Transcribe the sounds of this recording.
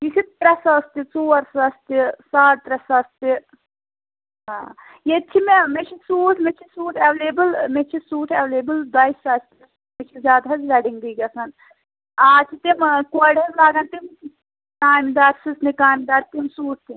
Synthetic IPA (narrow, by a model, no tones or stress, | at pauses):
jisit̪ɾɐsɐst̪it͡soːɐɾsɐst̪isaːʈt̪ɾɐsɐst̪i | ɦa | jet͡ʃʰimemet͡ʃʰisuːʈmet͡ʃʰisuːʈʰɐʋleːbɨlmet͡ʃʰisuːʈʰɐʋleːbɨld̪ɐjsaːst̪is | met͡ʃʰizʲjaːd̪ɦɐzlɐɖiŋɡd̪iːɡɐsɐn | aːt͡ʃʰit̪imkɐɖɐzlaːɡɐnt̪imki | naːmd̪aːɾsisnikaːmʲd̪aːɾt̪imsuːʈ̚ʰt̪i